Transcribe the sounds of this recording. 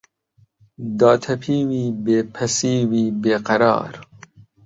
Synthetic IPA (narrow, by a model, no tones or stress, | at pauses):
d̪ɑːt̪ʰɐpʰiːwiːbeːpʰɐsiːwiːbeːqɐɾɑ̰ːɾ